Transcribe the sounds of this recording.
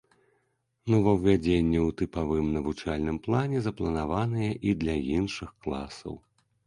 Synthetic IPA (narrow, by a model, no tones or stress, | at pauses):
nɔvɐwvʲad͡zʲenʲːɛwt̪ɨpavɨmnɐvut͡ʂalʲnɨmplˠanʲɛzɐplˠɐnavanɨjɐʔid̪lʲɐinʂɨxklˠa̰sɐ̰w